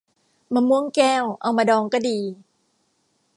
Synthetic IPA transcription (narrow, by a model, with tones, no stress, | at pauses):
maː˧mu˥˩əŋkɛː˥˩wʔa˧wmaː˧dɔː˧ŋkɔː˥˩diː˧